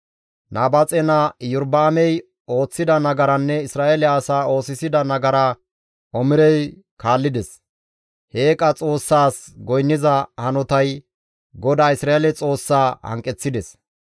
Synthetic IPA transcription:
nʔaːbɐt͡sʼɛnɐjʊɾbaːmɛj | o̞ːt͡sːɪd̪ɐnɐɡɐɾɐnːɛɪsɾaːelɛɐsaːo̞ːsɪsɪd̪ɐnɐɡɐɾɐ | ʔɔmɪɾɛj | kaːlːɪd̪ɛs | he̞ːkʼɐt͡sʼo̞ːsːaːs | ɡɔjnːɪzɐhɐnɔt̪ɐj | ɡɔd̪aːɪsɾaːelɛt͡sʼo̞ːsːaːhɐ̰ŋkʼːɛt͡sːɪd̪ɛs

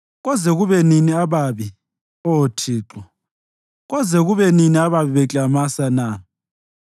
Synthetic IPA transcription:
ɣɔzɛɣuβɛniniaβaβi | oːtʰiːǁɔ | ɣɔzɛɣuβɛniniaβaβiβɛt͡ɬʼamasana

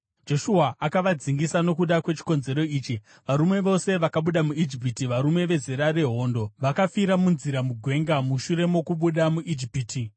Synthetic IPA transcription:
d͡ʒo̞ʃuɦaʔakaʋad͡ziŋɡisano̞kuɗakwe̞t͡ʃi̥ko̞nze̞ɾo̞iːt͡ʃi | ʋaɾume̞ʋo̞se̞ʋakaɓuɗamuid͡ʒip̬itiʋaɾume̞ʋe̞zeɾaɾe̞ɦo̞ːndo̞ʋakafiɾamunziɾamuɡʱwe̞ŋɡamuʃuɾe̞mo̞kuɓuɗamuʔid͡ʒipiːti

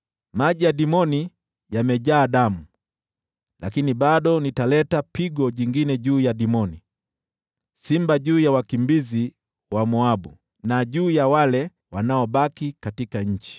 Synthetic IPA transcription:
maʄijaɗimɔni | jamɛʄaːɗamu | lakiniɓaɗɔnitalɛtapiɡɔʄiŋɡinɛʄuːjaɗimɔni | simbaʄuːjawakimbizi | wamuaɓu | naʄuːjawalɛ | wanaɔɓakikatikaɲ̩t͡ʃi̥

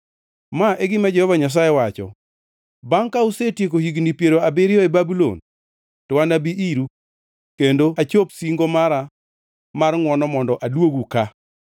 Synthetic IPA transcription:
maʔeɡɪmad͡ʒɛhɔvaɲas̬ajɛwat͡ʃɔ̰ | baŋkausetjek̬ohiɡnipjeɾoabɪɾɪjɔɛbabulo̰n | tɔwanabiʔiɾu | kendoat͡ʃopsiŋɡomaɾa | marŋwɔnɔmɔndɔʔadwoɡuka

